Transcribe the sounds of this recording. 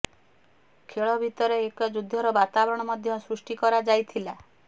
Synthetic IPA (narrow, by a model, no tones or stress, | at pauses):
kʰeɭɔbʱit̪ɔɾeːkɔd͡ʒud̪ʱːɔɾɔbat̪abɔɾɔɽ̃ɔmɔd̪ʱjɔsɾusʈikɔɾad͡ʒajt̪ʰila